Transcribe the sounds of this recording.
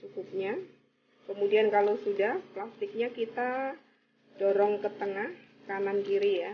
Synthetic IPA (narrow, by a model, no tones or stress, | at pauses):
t͡ʃukup̚ɲa | kəmudiankalowsudahplast̪ɪk̚ɲakit̪a | d̥ɔɾɔŋkət̪əŋah | kanankiɾija